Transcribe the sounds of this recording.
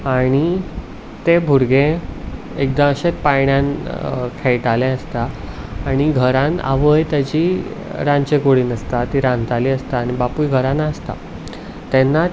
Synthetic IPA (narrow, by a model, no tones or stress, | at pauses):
aɽ̃i | t̪ebʱuɾɡẽ | ek̚d̪ãəɕet̪pajɳjãnkʰeɭʈalɛ̃əst̪aː | ɽ̃iɡʱəɾãna̰ʋəjt̪ad͡ʑi | ɾãnt͡ɕekoɽiːnəst̪at̪iɾãnt̪aliːəst̪aːɽ̃ibapujɡʱəɾãnːaəst̪a̰ | t̪enːa